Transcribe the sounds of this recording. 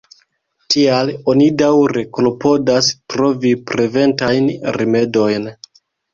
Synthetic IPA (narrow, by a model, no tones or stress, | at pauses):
tialo̞nidawɾe̞kolopo̞daspɾo̞vipɾeve̞ntajnɾime̞do̞jn